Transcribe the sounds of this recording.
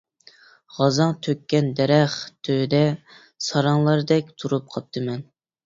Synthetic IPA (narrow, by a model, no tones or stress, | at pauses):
ʁɑzɑŋt̪ʰøkʲːɛnd̪ɛɾɛχt̪ʰød̪ɛ | sɑɾɑŋlˠɑɾɨd̪ɛk̚ʲt̪ʰuɾup̚qʰɑp̚t̪ʰːɨmɛn